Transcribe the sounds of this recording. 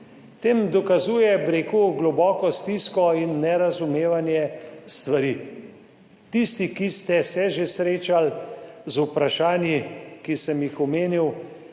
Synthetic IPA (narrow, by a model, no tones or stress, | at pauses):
t̪eːmd̪ɔkazuːjɛbɾeːkuɡlɔbɔːkɔst̪iskɔinːɛɾazumeːʋanjɛst̪ʋaɾiː | t̪ist̪ikist̪ɛsɛʒesɾeːt͡ʃalzupɾaʃaːnjikisəmjixɔmeːniw